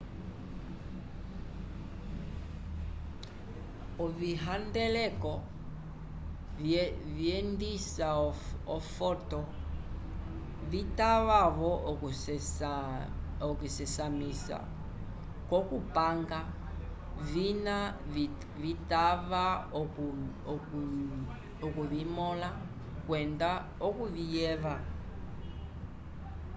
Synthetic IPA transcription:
ɔviɦandɛlɛkɔ | viɛndisaɔfɔtɔ | βitaβaβɔ | okusɛsamisa̰ | kɔkupaŋɡa | vina | vitaβa | okuβimɔla | kwɛnda | okuβijɛβa

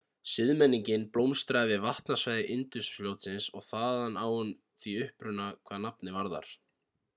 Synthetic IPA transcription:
sɪðmɛnːiɲcɪnplowmst̪ɾavɪðvaht̪nasvajðɪʔɪnt̪ʏsfljowt̪sɪnsɔ̰ɣθaːðanːaːwʏn | θviʏhpɾʏnːakʰvaːnapnɪvaɾða̰ɾ̥

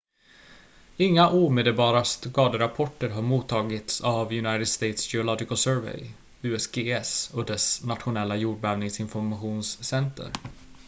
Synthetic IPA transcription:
ɪŋːaʔuːmeːd̪əlbɑːɾast̪kɑːd̪əɾapʰɔʈːəɾɦaɾmuːt̪ʰːɑːɡɪt̪savjɵnajt̪əd̪st̪ejt̪sd͡ʒɛʊlɔɡɪkəlsœːɾvɛ̰j | ʉ̟ːɛsɡeːɛsɔkd̪ɛsnat̪ɧʊnɛlːajuːɖ̚bɛːvnɪŋsɪnfɔɾmaɧuːnsːɛnt̪ʰə̰ɾ

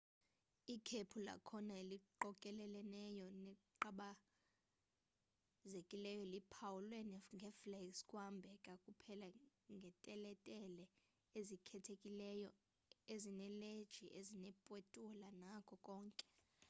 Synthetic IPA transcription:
ikʰepʰula̰kʰɔnaeliǃɔkʼɛlɛlɛnɛjɔnɛǃaɓa | zekʼilɛjɔlipʰawulweniŋɡʱɛfleskʼwambʱɛkʼakʼupʰɛlaŋɡʱɛtʼɛlɛtʼɛlɛ | ezikʰɛtʰekʼilɛjɔ | ezinɛled̥ʒ̥ʱiʔezinɛpʼwɛtʼulanakʰɔkʼɔːŋkʼɛ̥

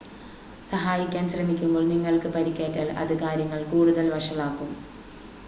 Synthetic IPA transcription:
sɐɦaːjikʲːaːnɕrɐmikʲːumbo̞ːɭniŋːɐɭkɨpɐɾikʲːaːtːɐɭɐ̰ðɨkaːɾjɐŋːɐɭkuːɽuðɐlʋɐʂɐlaːkːum

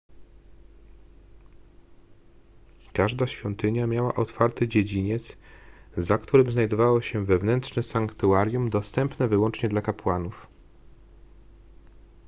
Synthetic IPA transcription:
kaʐd̪aɕfʲjɔnt̪ɘɲamʲjawaʔɔt̪faɾt̪ɘd͡ʑed͡ʑiɲɛt̪szakt̪uɾɘmznajd̪ɔvawɔɕɛvɛvnɛnt̪ʂnɛsaŋkt̪uaɾjumd̪ɔst̪ɛmpnɛvɘwɔnt͡ʂɲɛd̪lakapwanuf

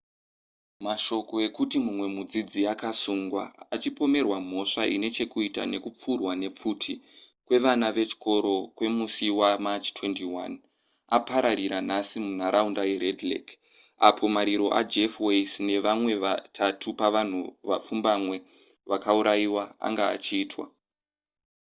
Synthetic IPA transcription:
maʃo̞ko̞e̞kutimumwe̞mud͡zid͡ziakasuŋɡwa̰ːt͡ʃipo̞me̞rwam̤o̞ʂaʔine̞t͡ʃe̞kuita̰ne̞kup͡furwane̞p͡futʰi | kwe̞ʋanaʋe̞t͡ʃi̥ko̞ɾo̞kwe̞musiwamat͡ʃtwe̞ntiwa̰n | apaɾaɾiɾanasimun̤aɾaundajeɾedlḛk | apʰo̞maɾiɾo̞ʔa̰d͡ʒefweisne̞ʋamwe̞ʋatʰatʰupaʋan̤uʋa̰p͡fumbamwe̞ | ʋakauɾajiwaa̰ŋɡa̰ːt͡ʃiːtwa̰

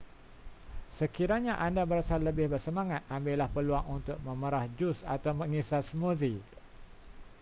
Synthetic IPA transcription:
səkiɾaɲãʔandabəɾasalːəbɪhbərsəmãŋat̪̚ambɪlahpəluaŋunt̪ʊk̚mə̃məɾahd͡ʒʊsa̰t̪awmə̃ŋisasmũði

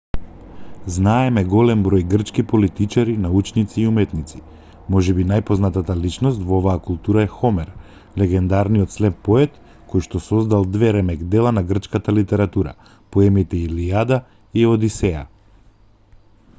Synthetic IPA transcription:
znaɛmɛɡɔlɛmbɾɔjɡr̩t͡ʃkipolit̪it͡ʃaɾinaut͡ʃnit̪siːumɛt̪nit̪si̥ | mɔʒɛbinajpɔznat̪at̪alit͡ʃnɔst̪vɔovaːkulˠt̪uɾaɛxɔmɛɾ | lɛɡɛnd̪aɾnijɔt̪slɛpːɔɛt̪ | kojʃt̪ɔsɔzd̪alˠd̪vɛɾɛmɛkd̪ɛlˠanaɡr̩t͡ʃkat̪alit̪ɛɾat̪uɾa̰ | pɔɛmit̪ɛiliad̪a | iɔd̪isɛja̰

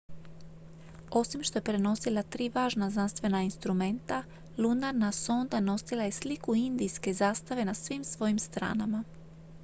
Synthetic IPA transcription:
o̞simʃt̪o̞jepɾe̞no̞silˠat̪ɾiːʋaːʒnaznanst̪ʋe̞nainst̪ɾume̞nt̪a | lunaɾnaso̞nd̪ano̞silˠaje̞slikuind̪ijske̞zaːst̪aʋe̞nasʋimsʋo̞jimst̪ɾa̰ːnama

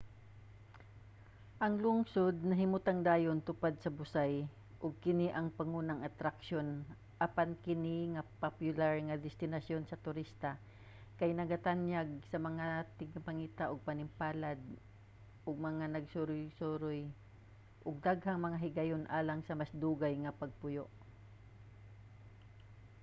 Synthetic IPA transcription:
ʔɐŋlʊŋsod̪̚nɐɦɪmʊt̪aŋd̪aːjont̪ʊpad̪̚sɐbʊsaj | ʔʊɡ̚kɪniʔɐŋpɐŋunɐŋɐt̪ɾakʃon | ʔɐpankɪniŋɐpapjʊlaɹŋɐd̪ɛst̪ɪnɐsjo̞nsɐt̪ʊɾist̪a | kajnɐɡat̪anjaɡ̚sɐmɐŋat̪ɪɡɐpɐŋiːt̪aʔoɡ̚pɐnɪmpaːlad̪̚ | ʔʊɡ̚mɐŋanɐɡsʊɾʊjsoɾʊj | ʔʊɡ̚d̪aɡhaŋmɐŋaɦɪɡɐjonʔaːlaŋsɐmasd̪uːɡajŋɐpɐɡ̚pʊjoʔ

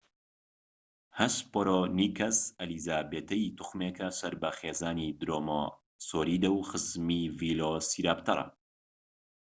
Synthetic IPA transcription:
hɐspoɾoniːkʰɐsɐlizaːbeːt̪ʰɐjit̪ʰʊxmeːkɐsɐɾbɐxeːzaːnid̪ɾoːmo | soːɾiːd̪ɐwxɨzmiːviːlosiɾaːpt̪ʰɐɾˤɐ̰

